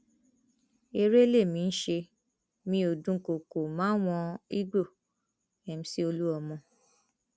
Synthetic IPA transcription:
e˧ɾe˦le˦˨mĩ˨˧n̩˦ʃe˧ | mĩ˧˦o˨dũ˦ko˨ko˨mãː˨˦w̃ɔ̃˧i˦ɡ͡bo˦˨ | ɛ˨m̩˨˦si˦o˧lu˦ɔ˧mɔ̃˧

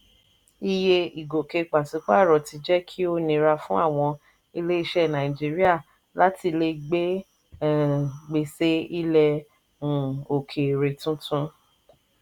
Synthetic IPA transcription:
i˦˧je˧i˨ɡo˨ke˧k͡pa˨sũ˨˧˦k͡pa˦˨ɾɔ˨tʰi˧d͡ʒɛ˦kʰi˦o˦nĩ˧ɾa˧fũ˦a̰˦˨w̃ɔ̃˧ | i˧le˦i˦˧ʃɛ˦˨nã˨ĩ˨d͡ʒi˦ɾi˦a˦˨ | la˦ti˧le˧ɡ͡be˦˨ | ɡ͡be˧se˦i˦lɛ̃˧˨ | o˨kʰe˨ɾe˨tũ˦tʰũ˦

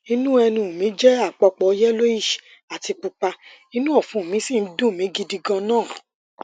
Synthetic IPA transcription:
i˦nũ˦ɛ˧nĩ˧˨mĩ˨˦d͡ʒɛ˦a˦˨k͡pɔ˧k͡pɔ˨˦jɛ˦lo˦i˦˨ʃi̥˨ | a˨ti˧k͡pu˧k͡pa˧ | i˦nũ˦ɔ˦˨fũ˨mĩ˨˦sĩ˦˨n̩˦dũ˦˨mĩ˨˦ɡi˧di˧ɡɔ̃˧nãː˦˨

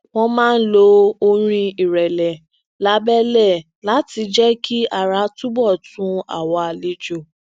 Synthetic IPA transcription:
w̃ɔ̃˦mãː˦n̩˦lo˨˧˦o˧ɾ̃ĩ˧i˨ɾɛ˨lɛ˨ | la˧˦bɛ˦lɛ˦˨ | la˨˦ti˧d͡ʒɛ˦kʰi˦ʔa˦˨ɾa˨˦tũ˦bɔ˦˨tũ˦a̰˨wɔ˨˦a˨le˨˦d͡ʒo˦˨

